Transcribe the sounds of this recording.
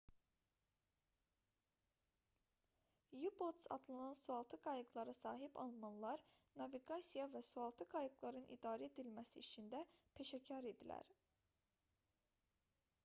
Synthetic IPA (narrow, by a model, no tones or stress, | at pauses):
jubot̪sɑ̰d̪lˠanɑnsuɑlˠt̪ʰɯɡɑjɯɡlˠɑɾɯsɑːɦibɑ̰lˠmɑnlˠɑɾnɑviɡɑsijɑvæsuɑlˠt̪ʰɯɡɑjɯɡlˠɑɾɯnʔḭd̪ɑːɾɛed̪ilmæsiit͡ʃʰind̪æpʰe̞ʃæcʰɑɾe̞d̪ilæ̰ɾ